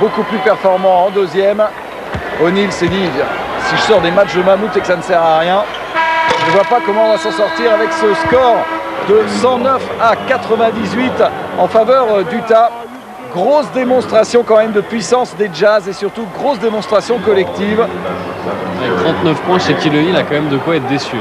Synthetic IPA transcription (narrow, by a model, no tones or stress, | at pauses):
bokuplypɛʁfɔʁmɑ̃ɑ̃d̪øzjɛm | ɔnilsed̪isiʒəsɔʁd̪emat͡ʃd̪əmamut̪ekə̥sanəsɛʁaʁjɛ̃ | ʒnəvwapakɔmɑ̃ɔ̃vasɑ̃sɔʁt̪iʁavɛksəskɔʁd̪əsɑ̃nœfakat̪χəvɛ̃d̪izɥit̪ɑ̃favœʁd̪yt̪a | ɡʁosd̪emɔ̃st̪χasjɔ̃kɑ̃mɛmd̪əpɥisɑ̃sd̪eʒazesyʁt̪uɡʁosd̪emɔ̃st̪χasjɔ̃kɔlɛkt̪iv | t̪χɑ̃t̪nəfpwɛ̃ʃekʲiləilakɑ̃mɛmd̪əkwaɛt̪̚d̪esy